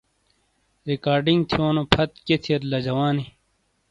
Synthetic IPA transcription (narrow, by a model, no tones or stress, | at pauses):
ɾikaːɾɖiŋɡt̪ʰioːnopʰɐt̪̚ket̪ʰeɾlɐd͡ʑɐwaːni